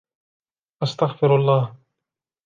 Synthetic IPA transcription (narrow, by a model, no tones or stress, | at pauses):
ʔɑst̪aɣfɪɾɑlˤːɑːh